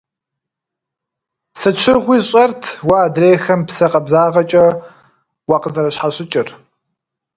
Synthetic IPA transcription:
sɨt͡ʃʰɪʁʷiːɕʼɐrtʰwaːdreːxɐmpsɐqʼɐbzaːʁɐt͡ʃʼɐ | waːqəzɐɾɐɕħaɕʼɪt͡ʃʼɪr

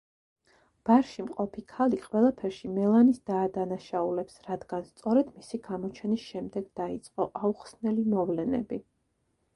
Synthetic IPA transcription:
b̥aɾʃimqʼɔpʰikʰaliqʼwɛlˠapʰɛɾʃimɛlˠanisd̪̥aːd̪anaʃaulɛpsɾad̪ɡ̥anst̪sʼɔɾɛd̪misiɡamɔt͡ʃʰɛnisʃɛmd̪ɛɡd̪ait̪sʼqʼɔʔauχsnɛlimɔvlɛnɛ̰bi

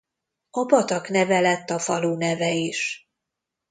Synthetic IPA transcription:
ɒbɒt̪ɒknɛvɛlɛt̪ːɒfɒluːnɛvɛiʃ

